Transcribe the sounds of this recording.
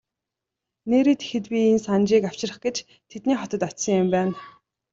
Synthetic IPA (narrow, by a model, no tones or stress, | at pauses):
neːɾiːt̪ʰe̥xɘ̆t̪pʲiensant͡ɕiːkaw̥t͡ɕɪ̆rə̆χɡet͡ɕ | t̪ʰet̪niːχɔt̪ɞ̆t̪ɔt̪sə̆ŋjɪ̆mpæːn